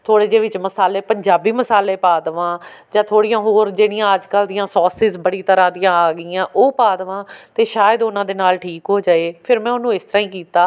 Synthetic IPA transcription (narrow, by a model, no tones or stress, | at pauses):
t̪ʰoːɽeːd͡ʒeːʋɪt͡ʃməsaːleːpəɲd͡ʒaːbiːməsaːleːpaːd̪ʋãːd͡ʒãːt̪ʰoːɽijãːɦoːɾd͡ʒeːɽɪjãːəd͡ʒkəld̪ɪjãːsɔːsɪzbəɽiːt̪əɾãːd̪ɪjãːaːɡɪːãːʔoːpaːd̪ʋãːt̪eːʃaːjəd̪ʊnãːd̪eːnaːlʈʰiːkɦoːd͡ʒaːeːpʰɪɾmɛ̃ːʊnũːɪst̪əɾãːĩːkiːt̪aː